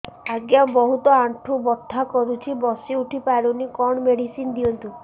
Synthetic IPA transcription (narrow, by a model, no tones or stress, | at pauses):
aɡjabɔɦut̪ɔaɳʈʰubɔd̪ʰʱːakɔɾut͡ʃʰibɔsiuʈʰipaɾunikɔɳ̃ɔmeɽisind̪iɔnt̪u